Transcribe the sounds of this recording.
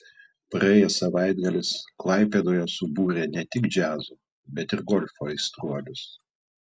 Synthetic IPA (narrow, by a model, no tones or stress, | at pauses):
pɾɐeːjɛsɐʋɐɪd̪ɡɐlʲɪsklˠɐɪpʲeːd̪oːjɛsʊbuːɾʲenʲɛt̪ʲɪkd͡ʒʲæːzuː | bʲɛt̪ɪɾɡɔlʲfoːɪst̪ɾuɔlʲʊs